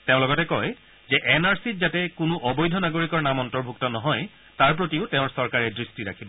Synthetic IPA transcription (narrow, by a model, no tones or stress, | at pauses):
teʊ̃lɔɡɔtɛkɔj | zɛʔɛnaɹsitzatɛkʊnʊʔɔbɔjdʱɔnaɡoɹikɔɹnamɔntɔɹbʱuk̚tɔnɔɦɔj | taɹp̬ɹotiʊteʊ̃ɹsɔɹkaɹɛdɹistiɹa̰kʰibɔ